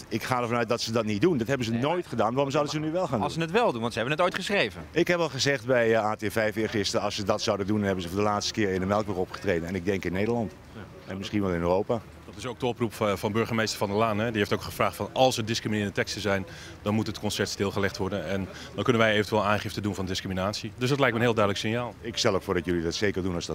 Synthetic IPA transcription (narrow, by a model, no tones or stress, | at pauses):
ɪkχaːdəɹvɑnœɥt̚dɑtsədɑtnit̚dundɑtɦɛbənzənoːjtχədaːnʋaːrɔmzawdənzənyʋɛlˠxaːndˠusənətʋɛlˠdunʋɑntsəɛbənətojtχəsrejvəɪkɦɛpʋɛlˠχəzɛχtbɛjaːtefɛjfɪːχɪstərɑlˠsədɑtsawdəndundɑnɦɛbənzəfʊːdəlaːtstə̥kɪːrɪndəmɛlˠkʋɪkɔpχə̥treːdənɛnɪɡ̚dɛŋkɪnːejdərlɑnt | ɛnmɪsχinʋɛlˠɪnøːrowpaː | d̥ɑtɪsowk̚dəɔprupvɑnbøɹχəmejstəɹvɑndəlaːnɛdiejftowkχəv̥raːχtfɑnɑlˠsəɹdɪskriminɪːɹəndətɛkstəzɛjn | dɑnmutətkɔnsɛtstɪːlˠχəlɛχtʋɔɹdənɛn | dɔnkɵnənʋɛjejvəntʋɛːlˠaːnχɪftədunvɑndɪskriminaːtsidøsdɑtlɛjk̚mɛənɦɪːlˠdœɥdələksɪnjaːlˠɪkstɛlˠəffʊːɹdɑtjɵlidɑtsejkəɹdunɑsdɑ